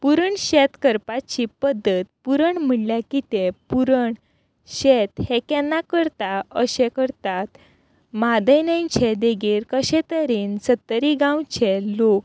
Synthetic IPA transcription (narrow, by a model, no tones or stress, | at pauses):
puɾəɳɕɛt̪kəɾpat͡ɕipəd̪ːət̪puɾəɳm̤əɳljakit̪epuɾəɳ | ɕɛt̪hɛkɛnːakəɾt̪aəɕɛkəɾt̪at̪ | mad̪əjnəjnt͡ɕʰed̪eɡiːɾkəɕɛt̪əɾiːnsət̪ːəɾiɡãwt͡ɕʰɛlok̚